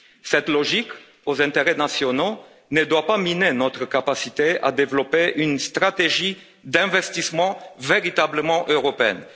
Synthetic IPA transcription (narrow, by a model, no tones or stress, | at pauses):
sɛt̪lɔʒik | ozɛ̃t̪eʁɛnasjɔno | nəd̪wapaminenɔt̪χəkapasit̪ea̰d̪evlɔpeʔynst̪χat̪eʒi | d̪ɛ̃vɛst̪ismɑ̃veʁit̪abləmɑ̃ʔøʁɔpeɛ̰n